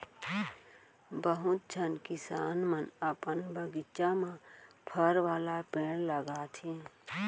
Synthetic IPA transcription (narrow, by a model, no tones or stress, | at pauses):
bəɦʊt̪̚d͡ʒʱənkɪsaːnmənəpənbəɡɪt͡ʃamã | pʰəɾwaːlapeːɽ̃ləɡaːt̪ʰi